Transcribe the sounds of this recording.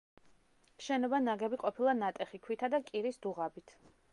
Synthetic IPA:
ʃɛnɔbanaɡɛbiqʼɔpʰilˠanat̪ʼɛχikʰwit̪ʰad̪akʼiɾisd̪uʁabit̪ʰ

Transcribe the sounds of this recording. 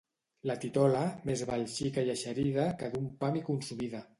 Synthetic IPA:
lat̪it̪ɔlamezβalʃikajaʃaɾiðakaðumpamikunsumiða

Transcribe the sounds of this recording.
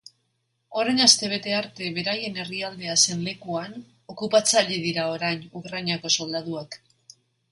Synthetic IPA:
o̞ɾajnast̪e̞β̞e̞t̪e̞aɾt̪e̞βe̞ɾaje̞ne̞riald̪e̞ase̞nle̞kuan | o̞kupat͡saʎeð̞iɾao̞ɾajɲukɾaɲako̞so̞ld̪aðuak

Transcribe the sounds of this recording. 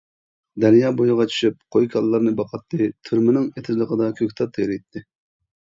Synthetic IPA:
d̪ɛnjɑːbojʊʁɑt͡ʃʰy̥ʃyp̚qʰojkʲʰɑlˠːɑɾnɨbɑqʰɑt̪ːɨt̪ʰyɾmɪnɪŋet̪ʰɪzlˠəqʰəd̪ɑkʲʰøkʲt̪ʰɑt̪ʰːejɾɪjt̪ʰːɪ

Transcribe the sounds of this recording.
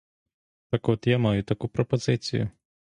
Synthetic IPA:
t̪ɐkɔt̪jamajʊt̪ɐkupɾɔpɔzɪt͡sʲḭjʊ̰

